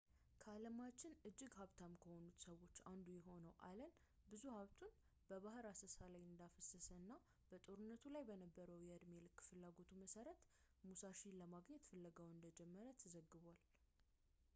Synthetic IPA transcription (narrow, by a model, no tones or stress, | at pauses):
kʰəaləmat͡ʃːɪnɨd͡ʒːɪɡhaβt̪ʰamkʰəho̞nut̪səwo̞t͡ʃːand̪ujɛɦo̞nəwʔalən | bɨzuhaβt̪ʰun | b̥əβaɦɨɾasəsalajɨnd̪afəsːəsəɨnːa | b̥ət̪ʼo̞ɾɨnːət̪ʰulajbənəbːəɾəwjɛɨd̪melɨkːfɨlːaɡo̞t̪ʰuməsəɾət̪ | musaʃiləmaɡɲɛt̪fɨlːəɡəwɨnd̪əd͡ʒɛmːəɾət̪ʰəzəɡːɨβal